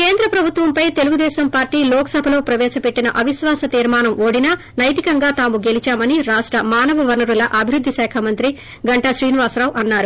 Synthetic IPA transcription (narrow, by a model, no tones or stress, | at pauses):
ke̞ːnd̪ɾɐpɾɐbʱut̪ʋɐmpɐjt̪e̞luɡud̪ɛːsɐmpaːɾʈiːlɔːkɐ̥sɐbʱɐlo̞ːpɾɐʋɛːʃɐpe̞ʈːinɐʔɐʋiʃʋaːsɐt̪iːɾmaːnɐmoːɽinɐ | nɐjt̪ikɐŋɡaːt̪aːmuɡe̞lit͡ʃaːmɐniɾaːʂʈɾɐmaːnɐʋɐʋɐnuɾulɐʔɐbʱiɾud̪ʱːisɛːkʰamɐnt̪ɾi | ɡɐɳʈɐʃɾiːniʋaːsɾaːʋʔɐnːaːɾu